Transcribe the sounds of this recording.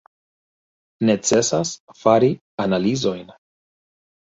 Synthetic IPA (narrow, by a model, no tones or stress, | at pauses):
ne̞t͡se̞sasfaɾi | analizo̞jn